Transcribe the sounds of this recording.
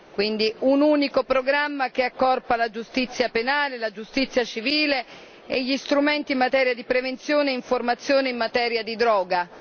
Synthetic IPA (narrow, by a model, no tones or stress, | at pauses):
kwind̪iunuːnikopɾoɡɾamːak̟eakːɔrpalad͡ʒust̪it̪sːjapenaːlelad͡ʒust̪it̪sːjat͡ʃiviːle | eʎːist̪ɾument̪iːmːat̪ɛːɾjad̪ipɾevent̪sjoːneiɱformat̪sːjoːneimːat̪ɛːɾjad̪id̪ɾɔːɡa